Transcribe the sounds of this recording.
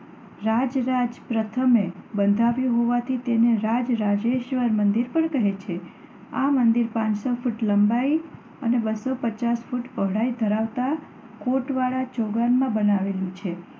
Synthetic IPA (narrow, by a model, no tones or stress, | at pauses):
ɾad͡ʒɾad͡ʒpɾət̪ʰəmebənd̪ʱaʋjũɦoʋat̪ʰit̪eneɾad͡ʒɾad͡ʒeʃʋəɾmənd̪iɾpəɳkəɦet͡ʃʰe | amənd̪iɾpãt͡ʃsofuʈləmbai | ənebəsopət͡ʃasfuʈpəɦɽaid̪ʱəɾaʋt̪a | koʈʋaɭat͡ʃoɡanmãbənaʋelũt͡ʃʰe